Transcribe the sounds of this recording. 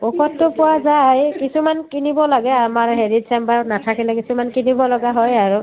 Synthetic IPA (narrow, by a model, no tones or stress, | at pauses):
ɔkʰɔtːʊpʊwazajkisumankinibɔlaɡɛamaɹɦeɹitsɛmbaɹnatʰakilɛkisumankinibɔlɔɡaɦɔjaɹu